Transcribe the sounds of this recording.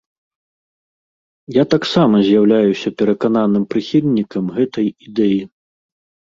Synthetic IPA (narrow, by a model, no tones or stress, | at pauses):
jat̪aksamɐzʲjawlʲajusʲɐpʲɛɾɐkan̪anɨmpɾɨxʲilʲnʲikɐmɣɛt̪ɐjid̪ɛji